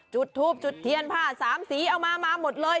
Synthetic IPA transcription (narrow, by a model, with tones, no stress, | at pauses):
t͡ɕu˨˩t̪ʰːuː˥˩p̚t͡ɕu˨˩t̪ʰːi˧ənpʰaː˥˩saː˩˦msiː˨˩˦ʔa˧wmaː˧maː˧mo˨˩t̪̚lɤː˧j